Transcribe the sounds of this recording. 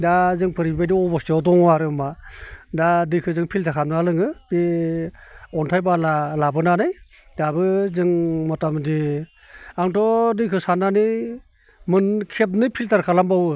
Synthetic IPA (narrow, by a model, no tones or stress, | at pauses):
dazɯŋpʰɯɾibajdiɔbɔstɔdɔŋwaɾɯmadadɯjkʰɯzɯŋpʰiltʰakʰamnɯalɯŋɯbi | ɔntʰajbalalabɯnanɯj | dabɯzɯŋmɔtamɯdi | aŋtʰɔdɯjkʰɯsanani | mɯnkʰep̬̚nɯpʰiltaɾkʰalambawɯ